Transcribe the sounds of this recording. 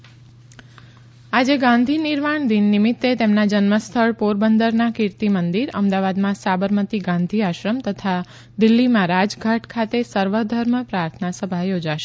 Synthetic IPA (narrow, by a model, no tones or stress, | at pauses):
ad͡ʒeɡãnd̪ʱinɪɾmaɳd̪inːɪmɪt̪ːet̪emnad͡ʒənməst̪ʰəɭpoɾbənd̪əɾnakɪɾt̪imənd̪iɾə̰md̪aʋad̪mãsabəɾmət̪iɡãnd̪ʱiaʃɾəmt̪ət̪ʰa | d̪ɪlːimãɾad͡ʒɡʱaʈkʰat̪esəɾʋəd̪ʱəɾməpɾaɾt̪ʰənasəbʱajod͡ʒaʃe̥